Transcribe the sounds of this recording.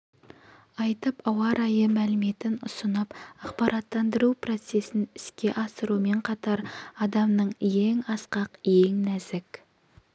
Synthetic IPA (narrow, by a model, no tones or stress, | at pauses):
ɑjt̪əpɑwɑɾʔɑjəmælɪme̞t̪ɪnʊ̰sənɑpɑqpɑɾɑt̪ːɑnd̪əɾupro̞t̪se̞sɪnɪskʲe̞ʔɑsəɾume̞ɴqʰɑt̪ɑɾɑd̪ɑmnəɴje̞ŋɑsqɑqje̞ŋnæzɪk